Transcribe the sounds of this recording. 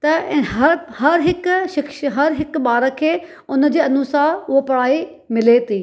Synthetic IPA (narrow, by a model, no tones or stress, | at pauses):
t̪ɐɦɐɾhɐɾɦɪkʃɪkʃɦɐɾɦɪkɓaːɾəkʰeː | ʊnəd͡ʑiːɐnuːsaːʊɦopɐɽ̤aːi | mɪlet̪ʰiː